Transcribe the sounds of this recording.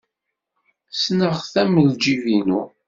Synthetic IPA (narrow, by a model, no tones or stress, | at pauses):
snəʁθæməld͡ʒivinu